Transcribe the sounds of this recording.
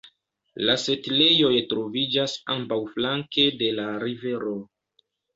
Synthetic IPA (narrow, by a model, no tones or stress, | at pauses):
lase̞tle̞jo̞jtɾo̞vid͡ʒasambawflaŋke̞de̞laɾive̞ɾo̞